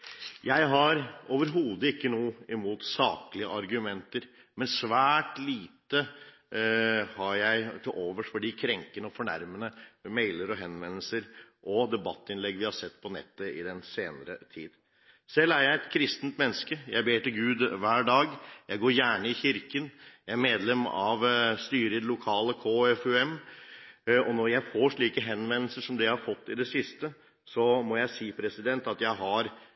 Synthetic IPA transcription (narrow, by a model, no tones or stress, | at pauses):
jæɪɦɑɾoːʋəɾɦuːd̪əɪkːənuːɪmuːt̪sɑːklɪəʔɑɾɡʉmɛnt̪əɾ | mɛnsʋæːʈliːt̪ə | hɑɾjæɪt̪ʰɪlʔoːʋəʂʈfɔɖiːkʰɾɛŋkənəɔfɔɳæ̰ɾmənəmeɪləɾɔɦɛnʋɛnːəl̩səɾʔɔd̪ɛbɑt̪ːɪnlɛɡːʋɪhɑsɛt̪ːpʰɔnɛ̰t̪ːəɪd̪ɛnseːnəɾət̪ʰḭːd̪ | sɛlːæɾjæɪɛt̪kʰɾɪst̪nt̪mɛnːəskəjæɪbeːʈɪlɡʉːd̪ʋæːɖɑːɡjæɪɡoːɾjæːɳəɪçɪɾkənjæɪæɾmeːd̪lɛmɑ̰ʋst̪yːɾəɪd̪ɛlʊkʰɑːləkʰoːɛfʉɛm | ɔnɔɾjæɪfoːʂɭiːkəɦɛnʋɛnl̩səʂɔmd̪ɛhɑɾfɔt̪ːɪd̪ɛsɪst̪ə | sɔmɔjæɪsiːpʰɾɛsɪd̪ɛnt̪ɑt̪jæɪɦɑɾ